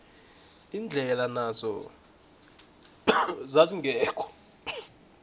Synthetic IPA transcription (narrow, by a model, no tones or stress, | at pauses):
iːnd͡ɮʱɛlanazɔ̰ | zaziŋʱɛːkʰɔ̥